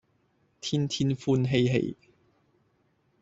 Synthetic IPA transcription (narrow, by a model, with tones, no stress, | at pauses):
t̪ʰiː˥nt̪ʰiː˥nfuː˧nɦe˧jɦḛ˧j